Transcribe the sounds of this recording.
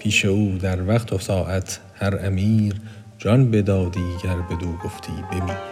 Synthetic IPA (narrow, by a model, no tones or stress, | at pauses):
pʰiːʃe̞uːd̪æɾvæqt̪ʰosɒːʔæt̪ʰ | hæɾæmiːɾ | d͡ʒɒnbed̪ɒːd̪iːɟæɾbe̞d̪uːɡoft̪ʰḭːbebiː